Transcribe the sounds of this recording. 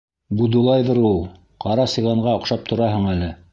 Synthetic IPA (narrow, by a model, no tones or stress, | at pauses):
bud̪ulˠɑjðɤɾulˠ | qɑɾɑsɤ̆jʁˠɑɴɢɑŏqʃɑp̚t̪ʰŏɾɑɦɤɴælɘ